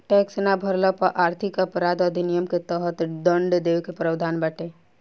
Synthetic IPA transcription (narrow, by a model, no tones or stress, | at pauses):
ʈɛksnabʱəɾləpəʔaːɾt̪ʰikəpɾad̪əd̪ʱinijəmket̪əɦət̪ɖ̪əɳɖd̪eʋkepɾəwd̪ʱanbəʈe